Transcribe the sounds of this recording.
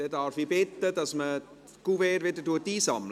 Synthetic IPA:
ɛdaɾfibɪt̪ːədɑsmə | ɡ̥uvɛːɾʋedətuətːiːsɑ̰ml

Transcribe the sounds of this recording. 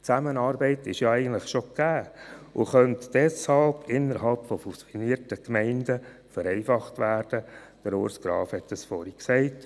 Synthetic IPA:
t͡sæmənɑːɾbɛɪtɪʃjɑɛɪɡəntləχʃokæːʔʊ̰χœntd̥ɛshɑlpʰɪnːəɾɦɑlpfɔfusiniːəɾtəkmɛɪndə | fəɾɛɪfɑχtʋæːɾd̥əd̥əɾʊ̰ɾsɡ̥ɾɑ̰ːfhɛtdəsfɔɾiksɛɪt

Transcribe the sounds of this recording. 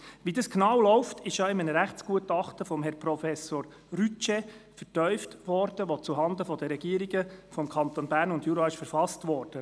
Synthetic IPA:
ʋidɑsknɑwlɔʊftʰɪʃɑɪmənəɾæχt͡sɡ̥uətɑχtəfɔmɦɛɾpɾɔfɛsoːɾ | ɾyt͡ʃɛfəɾtœʏftʋɔɾd̥əʋot͡suɦɑnd̪əfɔdəɾɛɡ̥iəɾiɡəfɔmkʰɑnt̪onbæːɾnʊndjuɾɑɪʃfəɾfɑstʋɔːɾd̥ə

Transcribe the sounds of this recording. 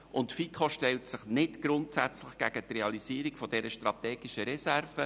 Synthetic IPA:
ʔʊntfikχoʃtɛltsɪχnɪtɡ̥ɾʊntsæt͡slɪχɡ̥æɡ̥ətrɛɑliziːɾikfɔd̥ɛɾəʃtrɑt̪ɛːɡ̥iʃəɾɛsærvə

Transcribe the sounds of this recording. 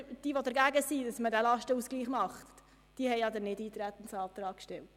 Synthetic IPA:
d̥iːʋod̪ɛɾɡæːɡəsiːd̥ɑsmədælɑʃtəusɡ̥liːχmɑχt | d̥iəhɛɪɑd̪ɛnɪdiːt̪ɾæt̪ːən̩sɑːt̪ɾɑːkkʃtɛlt

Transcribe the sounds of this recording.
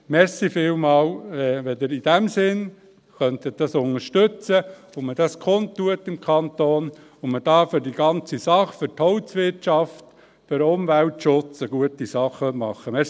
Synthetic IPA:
mɛɾsifɪːlmɑːlɛʋɛd̪ɪɾid̥ɛmsɪn | χœnt̪ət̚d̥ɑsʊnəɾʃtøt͡sə | ʊməd̥ɑskʰont̪ːuətɪmkʰɑnt̪oːn | ʊməd̥ɑːfʏɾd̥iɡɑnt͡sisɑχfʏɾthɔʊtsʋɪrtt͡ʃɑft | fɪɾʊmvæltʃʊt͡səɡ̥uətisɑχəmɑ̰χːəmɛs

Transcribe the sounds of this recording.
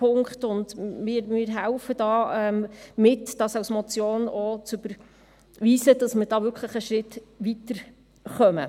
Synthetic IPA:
pʰʊŋkχtʊndmɪɾmɪɾɦælfəd̥ɑːɛmmɪtd̥ɑsɑsmɔt͡sjoːnɔt͡søb̥əɾ | ʋiːsədɑsmɪɾd̥ɑːʋʏɾkʰχləχəʃɾɪtʋitəɾ | χœmə̰

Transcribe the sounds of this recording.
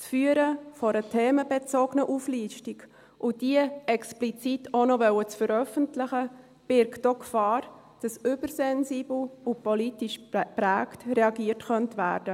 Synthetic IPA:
sfyəɾəfɔɾətʰeːməbet͡sɔɡnəʔufliːʃtik | ʔʊd̥iəɛksplit͡sitʰonɔvœwət͡sfəɾœfəntlɪχə | b̥ɪɾktokfɑːɾ | d̥ɑsʏbəɾsɛnsiːbl̩ʊpɔlitiʃpɾæːktrɛɑɡiərtχœntvæ̰ːɾd̥ə

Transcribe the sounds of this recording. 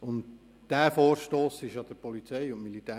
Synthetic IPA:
ʊnt | d̥æːfoːɾʃtoːsɪʃɑd̥əɾpɔlit͡sɛɪʊntmilitæː

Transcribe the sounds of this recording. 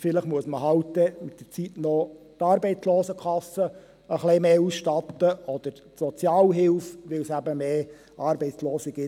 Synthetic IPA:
fɪləχmuəsməɦɑwtdɛmɪtdəɾt͡sitnɔ | t̪ɑːɾbɛɪt͡sloːsəkʰɑsə | əχlemeːusʃtɑt̪ːəʔɔd̥̪əɾ | tsɔt͡sjɑːlɦɪlfʋɪlsæbəmeː | ʔɑːɾbɛɪt͡sloːsɪɡ̥ɪ

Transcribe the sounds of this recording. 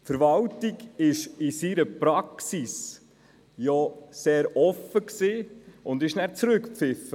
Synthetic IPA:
fəɾvɑltiɡɪʃɪsiɾəpɾɑksis | jɔseːɾɔfəksiːʊndɪʃnæt͡sɾʏkpfɪfə

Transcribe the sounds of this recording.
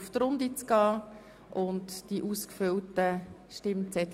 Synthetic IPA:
ft̪ɾʊndit͡sɡ̥ɑː | ʔʊntd̥iʔuːskføltəʃtɪmt͡sɛt

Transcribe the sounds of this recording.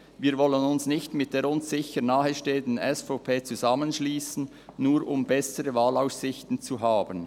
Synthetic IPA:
viːɾvɔlənʊnsnɪçtmɪt̚d̥eːɾʊnsz̥ɪçəɾnaːhəʃteːəndn̩ɛsfopʰeːt͡suzamənʃliːsn̩ | nuːɾʊmbɛsəɾəvaːlaʊssɪçtn̩t͡suɦaːbən

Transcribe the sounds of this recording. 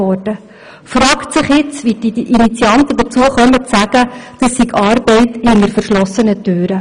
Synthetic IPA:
ɔɾd̥ə | frɑːktsɪχjɪt͡sʋid̥iʔinit͡siɑnt̪əd̥̪ət͡suəχœmətsæɡ̥əd̥ɑsːiɡɑːɾbɛɪthɪŋəɾfəɾʃlɔsənətøːɾə

